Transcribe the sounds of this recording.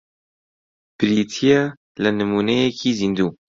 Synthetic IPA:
b̥ɨɾit̪ʰijaː | lɨnɨmuːnɛjɛkʰiːzind̪uː

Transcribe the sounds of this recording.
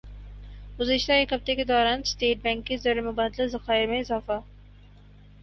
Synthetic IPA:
ɡʊzɪʃt̪aeːkɦɐb̚t̪eked̪ɔːɾaːnsʈeːʈ̚bɛ̃ːŋkːezɐɾemʊbaːd̪lazɐxaːɪmẽɪzaːfa

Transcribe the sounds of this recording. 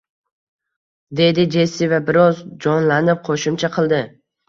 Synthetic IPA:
d̪e̞d̪ɪd͡ʒe̞sɪvabɪɾɒzd͡ʒɒnlanɪp̚qʰoʃɪmt͡ʃʰaqʰɨlˠd̪ɪ

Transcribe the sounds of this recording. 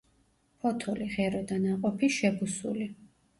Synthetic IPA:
pʰɔt̪ʰɔliʁɛɾɔd̪anaqʼɔpʰiʃɛbusṵli

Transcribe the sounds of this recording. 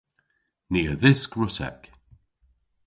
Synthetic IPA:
niːəðɪsɡɹʊsɛ̰k

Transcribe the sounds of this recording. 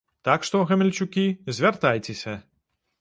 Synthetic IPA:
t̪akʂt̪ɔɣɛmʲɛlʲt͡ʃʊkʲizʲvʲɛrt̪ajt͡sʲɛsʲɐ

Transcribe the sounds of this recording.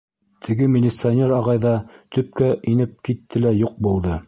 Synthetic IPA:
t̪ʰɘ̆ɡɘmʲɪlʲːɪt̪sɨanʲeɾɑʁɑjðɑt̪ɵ̆p̚kæʔinɘp̚kit̪ːɘlæjuq̚bulˠd̪ɤ

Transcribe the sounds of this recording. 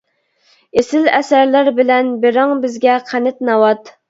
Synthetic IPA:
esɪlɛsæɾlæɾbɪlɛnbeɾɑŋbɪzɡʲɛqʰænɪt̪̚nɑwɑt̪

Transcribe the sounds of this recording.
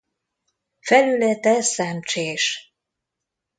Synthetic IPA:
fɛlylɛt̪ɛsɛmt͡ʃeːʃ

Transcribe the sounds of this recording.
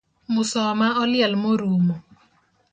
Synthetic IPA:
mʊsɔmaɔlɪalmoɾumɔ

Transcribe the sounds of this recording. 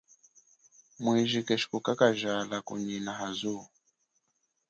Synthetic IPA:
mwiʒikɛʃi̥kukakaʒalakṵɲinaɦazu

